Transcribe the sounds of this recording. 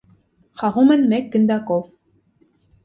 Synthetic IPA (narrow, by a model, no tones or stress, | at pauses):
χɑʁumɘ̆nmekːɘ̆nd̪ɑkof